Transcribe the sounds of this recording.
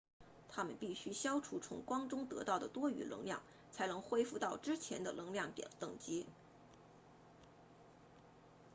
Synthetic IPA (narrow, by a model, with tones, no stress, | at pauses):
t̪ʰa˥mə˨npi˥˩ɕy˥ɕjɑ˥ʊʈ͡ʂʰu˧˥t͡sʰʊ̰˧˥ŋkwɑ˥ŋʈ͡ʂʊ˥ŋt̪ɤ˧˥t̪ɑ˥˩ʊd̪ə˩t̪wɔ˥y̰˧˥lɤ̰˧˥ŋljɑ̰˥˩ŋ | t͡sʰa˧˥ɪnɤ˧˥ŋxwe˥ɪfu˥˧t̪ɑ˥˩ʊʈ͡ʂɻ̩˥t͡ɕʰjɛ˧˥nd̪ə˧lʔɤ˧˥ŋljɑ˥˩ŋt̪jɛ̰˨˩nt̪ɤ˥˩ŋt͡ɕi˥